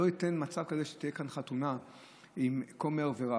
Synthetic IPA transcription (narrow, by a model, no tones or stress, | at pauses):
oite̞nmat͡savkazeʃe̥t̪ijekanχatuna | imko̞meʁveʁa